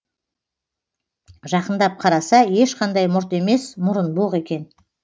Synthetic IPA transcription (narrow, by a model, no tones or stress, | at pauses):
ʒɑqənd̪ɑp̚qʰɑɾɑsɑje̞ʃqʰɑnd̪ɑjmʊɾt̪e̞me̞smʊɾənbolˠəʁe̞kʲe̞n